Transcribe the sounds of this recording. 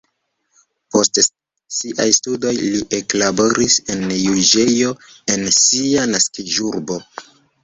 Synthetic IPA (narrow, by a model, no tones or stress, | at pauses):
po̞st | siʔajstudo̞jliʔeklabo̞ɾise̞njud͡ʒe̞jo̞ | e̞nsianaskiʒuɾbo̞